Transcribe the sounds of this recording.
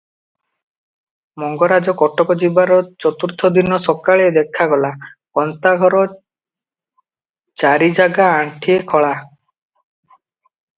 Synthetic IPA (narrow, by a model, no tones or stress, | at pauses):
mɔŋɡɔɾad͡ʒɔkɔʈɔkɔd͡ʒibaɾɔt͡ʃɔt̪uɾt̪ʰɔd̪inːɔsɔkaɭed̪ekʰːaɡɔlakɔnt̪aɡʱɔɾɔ | t͡ʃaɾid͡ʒaɡaːɳʈʰiekʰɔɭa